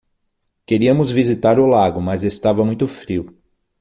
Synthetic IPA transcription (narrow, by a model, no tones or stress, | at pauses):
keɾiɐmʊzvizit̪aɾʊlaɡʊmɐzest̪avɐmũj̃t̪ʊfɾiw